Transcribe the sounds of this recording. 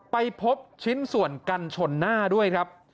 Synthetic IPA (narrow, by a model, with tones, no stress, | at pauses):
pa˧jpʰo˦˥p̚t͡ɕʰi˦˥nsu˨˩ənka˧nt͡ɕʰo˧nːaː˥˩du˥˩əjkʰɾa˦˥p̚